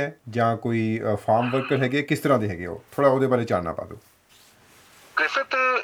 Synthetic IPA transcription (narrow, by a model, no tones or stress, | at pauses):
ɛːd͡ʒãːkoːiːfʰaːɾmʋəɾkəɾɦɛːɡeɛːkɪst̪əɾãːd̪eːɦɛːɡeːo̰ːt̪ʰoːɽaːoːd̪eːbaːleːt͡ʃaːnna̰ːpa̰ːd̪ṵː | kɪsət̪